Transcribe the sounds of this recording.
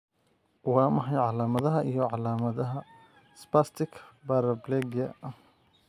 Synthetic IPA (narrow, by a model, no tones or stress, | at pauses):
wɑːmɐɦɐjʕɑlaːmɐðɐɦɐʔijɔʕɑlaːmɐðɐɦɐ | spast̪ʰɪkʰbaɾɐblɛɡɐ̰